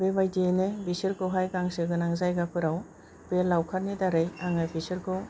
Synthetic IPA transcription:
bebajdinebisiɾkʰoɦajɡaŋsɯɡɯnaŋzajɡapʰɯɾaw | belːawkʰaɾnidaɾɯjaŋajbisɯɾkʰo

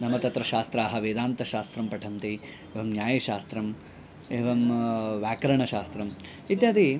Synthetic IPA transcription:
nɐmɐt̪ɐt̪ɾɐʃaːst̪ɾaːɦɐʋeːd̪aːnt̪ɐʃaːst̪ɾɐmpɐʈʰɐmt̪i | eːʋɐmnjaːjɐʃaːst̪ɾɐm | eːʋɐmʋaːkɐɾɐɳɐʃaːst̪ɾɐm | it̪jaːd̪i

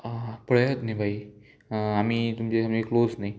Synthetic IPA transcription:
pəɽjət̪naibʱai | amiːt̪umt͡ɕeamiklod͡znai

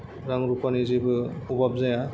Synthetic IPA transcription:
ɾaŋɾupanizibubab̚zaja

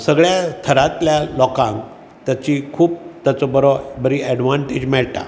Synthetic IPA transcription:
səɡɭjast̪ʰəɾat̪ljalɔkãŋk | t̪jat͡ɕikʰuːp̚t̪jat͡sɔbəɾɔbəɾiɛɖʋãɳʈed͡ʑmɛɭt̪a̰

